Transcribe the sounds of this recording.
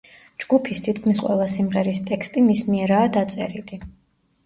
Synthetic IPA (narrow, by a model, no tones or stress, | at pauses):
d͡ʒɡupʰist̪ʰit̪ʰkʰmisqʼwɛ̰lˠasimʁɛɾist̪ʼɛkst̪ʼimismiɛɾaːd̪at̪sʼɛ̰ɾili